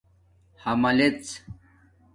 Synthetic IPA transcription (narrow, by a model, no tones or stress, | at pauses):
hɐmɐlet͡s